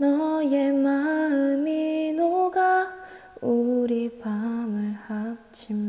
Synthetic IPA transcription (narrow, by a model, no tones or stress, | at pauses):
nʌjemaɯminoɡa | oɾipamɯɭha | t͡ɕʰim